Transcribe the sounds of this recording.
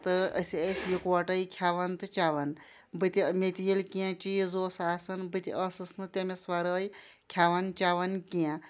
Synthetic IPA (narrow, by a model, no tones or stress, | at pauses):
t̪ɨə̰səsʲjikʋɐʈɐjkʲʰjaːʋɐnt̪ɨt͡ʃaːʋɐn | bɨt̪ʲimet̪ʲijilkijãt͡ʃijizoːsaːsɐnbɨt̪ʲiʔəsɨsnɨt̪ʲemesʋaɾəːji | kʲʰjaːʋɐnt͡ʃaːʋɐnkiã